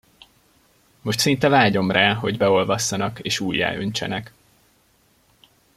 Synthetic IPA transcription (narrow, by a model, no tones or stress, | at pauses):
mo̞ʃt̪sint̪ɛvaːɟo̞mraːɦo̞ɟbɛo̞lvɒsːɒnɒkeːʃuːjːa̰ːʔø̰ɲt͡ʃɛ̰nɛk